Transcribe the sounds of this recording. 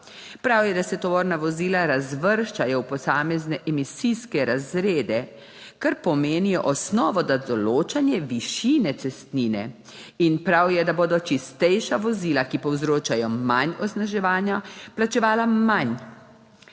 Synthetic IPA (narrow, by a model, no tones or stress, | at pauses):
pɾawjɛd̪asɛt̪ɔʋɔɾnaʋɔziːlaɾazʋəɾʃt͡ʃajɔwpɔsaːmɛznɛʔɛmisiskɛɾazɾeːd̪ɛ | kaɾpɔmeːnijɔʔɔsnɔːʋɔd̪ad̪ɔloːt͡ʃanjɛʋiʃiːnɛt̪sɛst̪niːnɛ̰ | inpɾawjɛd̪aboːd̪ɔt͡ʃist̪ɛjʃaʋɔziːlakipɔwzɾoːt͡ʃajɔmanɔsnaʒɛʋaːnjaplat͡ʃɛʋaːlaman